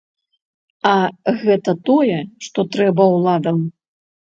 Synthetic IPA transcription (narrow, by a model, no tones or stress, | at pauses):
ɐɣɛt̪ɐt̪ɔjɛʂt̪ɔt̪ɾɛbɐwlˠad̪ɐm